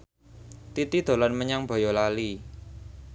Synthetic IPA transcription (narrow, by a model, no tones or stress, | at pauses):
t̪it̪id̪̥o̤lanməɲaŋb̥ɔ̤jɔlali